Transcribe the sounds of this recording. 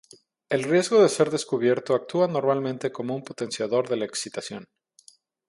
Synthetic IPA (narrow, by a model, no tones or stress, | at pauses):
e̞lrje̞zɣo̞ðe̞se̞ɾðe̞skuβ̞je̞ɾt̪oak̚t̪uano̞ɾmalmẽnt̪e̞ko̞mo̞umpo̞t̪e̞nsjaðo̞ɾðe̞laeksit̪asjo̞n